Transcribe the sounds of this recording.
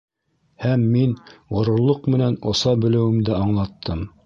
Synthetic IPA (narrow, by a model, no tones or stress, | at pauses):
hæmːinŏɾŏɾlˠoqmɘ̆nænŏsɑbɵ̆lɘ̆wɘ̆md̪ɘɑɴlˠɑt̪ʰːɤm